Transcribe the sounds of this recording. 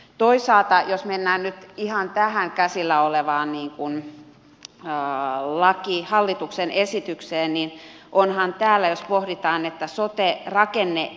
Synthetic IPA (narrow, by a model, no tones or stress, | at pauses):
t̪oisɑːlt̪ɑjosmenːæːnnyt̪ihɑnt̪æhæŋkæsilːæoleʋɑːnniːŋkun | lɑkihɑlːit̪uksenesit̪ykseːnnin | ʔonhɑnt̪æːlːæjospohdit̪ɑːnet̪ːæsot̪erɑkenːe